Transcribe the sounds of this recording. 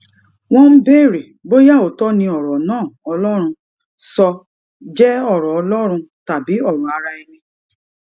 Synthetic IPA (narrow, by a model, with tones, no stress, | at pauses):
w̃ɔ̃˦m̩˦beː˦˨ɾe˨bo˦ja˦˨o˨tɔ˦nĩ˧ɔ˨ɾɔ˨nãː˦˨ɔ˧lɔ˦ɾ̃ũ˧ | sɔ˧ | d͡ʒɛ˦ɔ˦˨ɾɔ˨ɔ˧lɔ˦ɾ̃ũ˧ta˨bi˨˦ɔ˦˨ɾɔ˨a˧ɾa˧i˧nĩ˧